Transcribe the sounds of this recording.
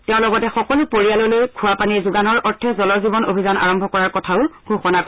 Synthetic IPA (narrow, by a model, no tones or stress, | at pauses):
tɛʊ̃lɔɡɔtɛxɔkɔlupoɹialolojkʰʊapanizuɡanɔɹɔɹtʰɛzɔlɔzibɔno̰bʱizana̰ɹɔmbʱɔkɔɹaɹkɔtʰaʊɡuxɔnak